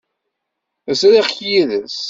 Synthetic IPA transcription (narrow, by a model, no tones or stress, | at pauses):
əsɾiχçjiðəs